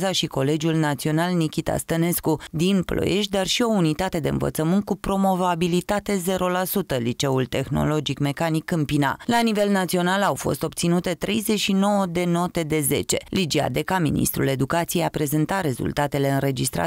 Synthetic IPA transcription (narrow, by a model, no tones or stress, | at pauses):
zaʃiko̞le̞d͡ʒulnat̪sio̞nalnikʲit̪a̰st̪əne̞skud̪inplʔo̰jeʃd̪arʃio̞unit̪at̪e̞d̪e̞ɨ̰nvə̰t̪səmɨnt̪̚kupɾo̞mo̞vabilit̪at̪e̞ze̞ɾo̞lasut̪əlit͡ʃe̞ult̪e̞xno̞̰lo̞d͡ʒikme̞kanikɨmpina̰lanive̞lnat̪sio̞nalawfo̞̰st̪o̞b̚t̪sinut̪e̞t̪ɾʔe̞jze̞t͡ʃʃino̞wəd̪e̞no̞t̪e̞d̪e̞ze̞̰t͡ʃe̞lid͡ʒia̰d̪e̞kamḭnḭst̪ɾṵle̞d̪ukat̪sijejapɾe̞zent̪aɾe̞zṵlt̪at̪e̞le̞ɨnɾe̞d͡ʒist̪ɾa̰